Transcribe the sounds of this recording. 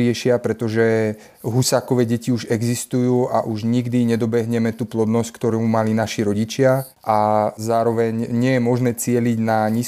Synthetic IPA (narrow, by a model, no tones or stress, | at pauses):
ɪɛʃɪapɾɛt̪ɔʒɛ | ɦusaːkɔʋɛːɟɛciuʒɛɡzist̪ujuːa̰ʔuʒɲiɡd̪iɲɛd̪ɔbɛɦɲɛmɛt̪uːplɔd̪nɔsckt̪ɔɾumalinaʃiɾɔɟit͡ʃɪa | ʔazaːɾɔʋɛɲɲɪɛjɛmɔʒnɛːt͡sɪɛliɟnaɲiː